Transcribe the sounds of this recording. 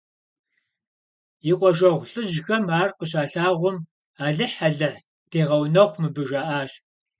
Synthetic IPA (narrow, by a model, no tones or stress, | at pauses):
jiqʷʼɔʒɐʁʷɬʼɨʒxɐmaːrqəɕ̬ʼaːɬaːʁʷʊm | aːɮɨħaɮɨħ | tʰeːʁɐwnɐχʷmɨbɨʒaːʔaːɕʼ